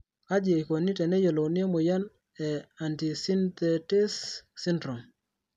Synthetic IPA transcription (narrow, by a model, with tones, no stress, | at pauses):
ka˦d͡ʒe˨i˨ko˨ni˦tɛ˨nɛ˦je˨lo˨nɪ˦e˦mo˨ja˦n | ɛ˨a˨nti˨si˦nt̪ɛ˨tɪ˦sːi˦ndɾɔ˨m